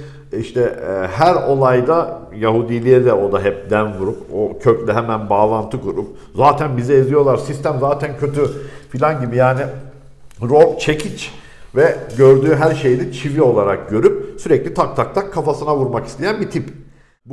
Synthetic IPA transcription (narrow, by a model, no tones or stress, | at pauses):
iʃt̪ʰɛɦæɾo̞lˠajd̪ajaɦud̪ilʲeɾd̪ɛo̞d̪aɦɛp̚d̪ænvuɾupocʰøclʲɛɦɛmænbaːlˠant̪ʰɯkuɾup̚ | zaːt̪ʰænbizɛizlʲijo̞lˠaɾsist̪ʰæmzaːt̪ʰæncʰø̞t̪ʰyfilʲanɟibijaːni | ɾobt͡ʃʰe̞cʰit͡ʃ | vɛɟø̞ɾd̪yːɦæɾʃe̞jid̪it͡ʃʰivio̞lˠaɾak̚ɟø̞ɾyp̚syɾɛclʲit̪ʰak̚t̪ʰak̚t̪ʰakʰːafasɯnavuɾmaki̥st̪ʰejænbit̪ʰip | b